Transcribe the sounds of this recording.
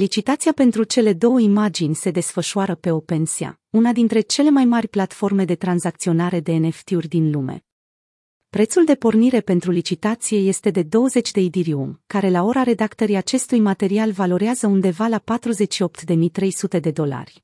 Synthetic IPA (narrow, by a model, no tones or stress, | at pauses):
lit͡ʃit̪at̪siape̞nt̪ɾut͡ʃe̞le̞d̪o̞wəimad͡ʒinʲse̞d̪e̞sfəʃuaɾəpe̞o̞pe̞nsia̰ | unad̪int̪ɾe̞t͡ʃe̞le̞majmarʲplat̪fo̞rme̞d̪e̞t̪ɾanzak̚t̪sio̞naɾe̞d̪e̞ːne̞ft̪iurʲd̪inlume̞̰ | pɾe̞t̪suld̪e̞po̞rniɾe̞pe̞nt̪ɾulit͡ʃit̪at̪sije̞je̞st̪e̞d̪e̞d̪o̞wəze̞t͡ʃʲd̪e̞id̪iɾiumkaɾe̞lao̞ɾaɾe̞d̪akt̪əɾijat͡ʃe̞st̪ujmat̪e̞ɾialvalo̞ɾeazəund̪e̞valapat̪ɾuze̞t͡ʃʃio̞pt̪d̪e̞mit̪ɾe̞jsut̪e̞d̪e̞d̪o̞la̰rʲ